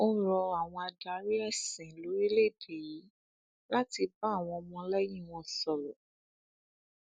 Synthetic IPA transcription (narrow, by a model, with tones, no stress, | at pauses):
o˦ɾɔ˧a˨w̃ɔ̃˧a˧da˨˦ɾi˦ɛ˦˨sĩ˨lo˨˦e˦le˦˨de˨ji˨˦ | la˦ti˧ba˦˨w̃ɔ̃˧ɔ˧mɔ̃˧˦lɛ˦jĩ˦˨w̃ɔ̃˧sɔ˨lɔ˨